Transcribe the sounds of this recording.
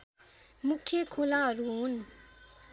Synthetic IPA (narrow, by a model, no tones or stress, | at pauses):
mukʰːjekʰolaɾun